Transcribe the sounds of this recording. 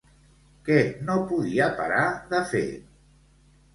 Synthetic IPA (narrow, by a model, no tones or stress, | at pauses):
kɛnopuðiəpaɾaðəfḛ